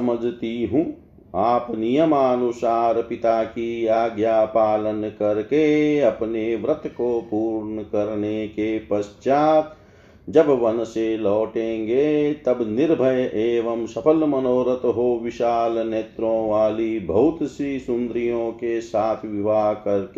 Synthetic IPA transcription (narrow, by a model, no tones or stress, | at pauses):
sɐməd͡ʒʱt̪iɦũ | aːpnijəmaːnusaːɾpɪt̪aːkiaːɡjaːpaːlənkɐɾkeɐpneʋɾɐt̪kopuːɾnəkɐɾnekepɐst͡ʃaːt̪ | d͡ʒɐbʋɐnselɔːʈẽːŋɡet̪ɐbnɪɾbʱəjʔeːʋɐmʃɐpʰəlmɐnoːɾət̪ɦoʋɪʃaːlneːt̪ɾõːʋaːlibʱɐɦʊt̪sɾiːsʊ̃nd̪ɾijõːkesaːt̪ʰʋɪʋaːɦkɐɾkeː